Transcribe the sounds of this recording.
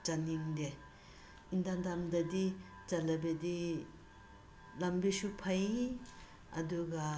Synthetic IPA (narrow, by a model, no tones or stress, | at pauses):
t͡ʃaniŋde | indandamdɐdi | t͡ʃɐlɐbedi | lɐmbisupʰaj | ɐ̰duɡɐ